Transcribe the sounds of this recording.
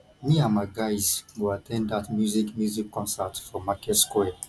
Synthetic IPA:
miamaɡajzwuatʰɛ̃ndatmjuzikmjuzikʰːɔ̃nsatfɔ̃mːakɛskwɛ

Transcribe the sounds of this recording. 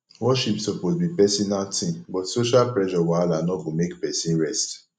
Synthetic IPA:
wɔʃipsɔposbipɛsinaltʰĩbɔtsoʃalpɹɛʃɔwalanɔɡomekpɛsĩɹɛst

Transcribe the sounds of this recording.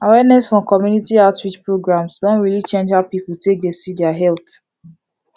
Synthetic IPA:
awɛnɛsfɹɔ̃mkɔmjunitiaʊtwit͡ʃpɹoɡɹãmsdɔ̃nɹilit͡ʃẽnd͡ʒaʊpipultek̚desidɛaɦɛlt

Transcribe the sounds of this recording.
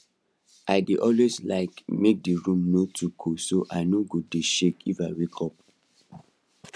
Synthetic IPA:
aɪdeʔɔlweslaɪkmek̚diɹũmnotʰuɡʰosoʔaɪnoɡodeʃekʰifaɪɹikʰɔp̚

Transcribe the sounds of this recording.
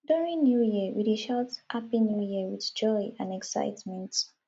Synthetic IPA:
duɹĩŋnjujiəwideʃɔtʔapinjujiəwiðd͡ʒɔɪãnɛksa̰ɪtmɛ̃nt

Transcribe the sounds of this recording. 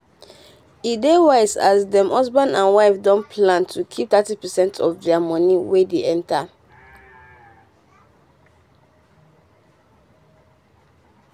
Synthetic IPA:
idewaɪsazdɛ̃mhɔsbãnãnwaɪfdɔ̃npʰlãntʰukʰip̚t̪atipɛsɛ̃ntʰɔfdɛamɔniwedeʔɛ̃ntʰa

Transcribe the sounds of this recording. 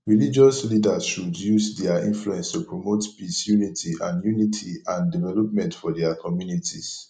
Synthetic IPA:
ɹilid͡ʒɔslidasʃudjuzdɛaĩnfluɛ̃nstupɹomotpisjunitʰiʔãndjunitʰiãndivɛlɔp̚mɛ̃ntfɔdɛakʰɔmjunitʰis

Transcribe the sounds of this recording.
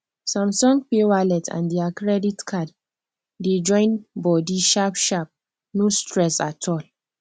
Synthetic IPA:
sɔ̃msɔ̃ŋɡ̚pewalɛtʰã̰ndiakɹɛditkʰad | ded͡ʒɔ̃ɪ̃nbɔdiʃapʃap̚ | nostɹɛsatʰɔl

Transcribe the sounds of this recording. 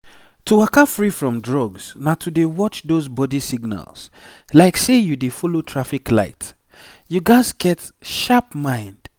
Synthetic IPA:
tʰuwakafɹifɹɔ̃mdɹɔɡz̥natʰudewɔt͡ʃðozbɔdisiɡna̰ls | laɪksejudefɔlotʰɹafikla̰ɪt | juɡaɪzɡɛt | ʃapmãɪ̃nd̥

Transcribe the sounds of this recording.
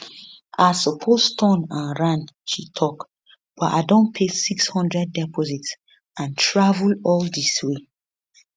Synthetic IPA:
ʔasɔpʰostʰɔ̃nãnɹãnʃitʰɔk | b̥ɔta̰dɔ̃npʰesikshɔ̃ndɹɛd̚ːɛpɔzits | ãntʰɹavulɔldiswe

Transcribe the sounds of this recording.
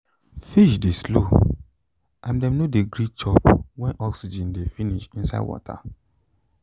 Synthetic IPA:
fiʃdeslo̰ | ʔãmdɛ̃mnodeɡɾit͡ʃɔpwɛ̃nʔɔksid͡ʒĩndefiniʃĩnsa̰ɪdwɔ̰tʰa̰

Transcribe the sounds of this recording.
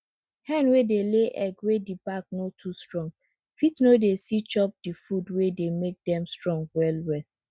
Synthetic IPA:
hɛ̃nwedeleʔɛɡwedibak̚notʰustɹɔ̃ŋɡ | fitnodesit͡ʃɔp̚difudwedemek̚dɛ̃mstɹɔ̃ŋɡwɛlwɛl

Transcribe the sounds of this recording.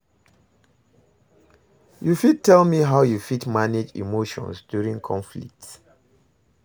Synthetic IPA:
jufid̚tʰɛlmiɦaʊjufitmaned͡ʒḭmoʃɔ̰̃nsdjuɹĩŋkʰɔ̃ɱflḭk̚t

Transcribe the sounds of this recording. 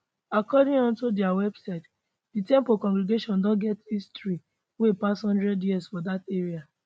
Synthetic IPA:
akɔdĩŋɔ̃ntodiawɛbsaɪt | ditɛ̃mpokɔ̃ŋɡɾiɡeʃɔ̃ndɔ̃ɡɛtistɹi | wepashɔ̃ndɹɛdjiɛsfɔdateɹia

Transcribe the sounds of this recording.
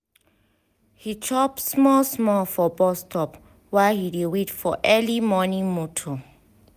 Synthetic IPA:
hit͡ʃʰɔpsmɔlsmɔlfɔbɔstʰɔp | wahidewetfɔʔɛlimɔnĩŋmutʰo

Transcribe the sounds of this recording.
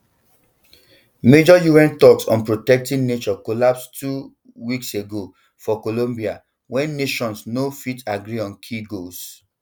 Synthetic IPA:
med͡ʒɔjuɛ̃ntɔksɔ̰̃npɹotɛk̚tĩnnet͡ʃɔkolapstʰu | wikseɡo | fɔkolõmbia | wɛ̃nːeʃɔ̃nsnofitʰaɡɹiɔ̃nkʰiɡos

